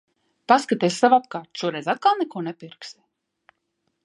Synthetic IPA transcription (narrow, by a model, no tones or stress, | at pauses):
paskat̪ɛːssavapkaːɾt̪ʃuɔɾɛjzʲat̪̚kalˠnɛkuɔnɛpiɾksɛ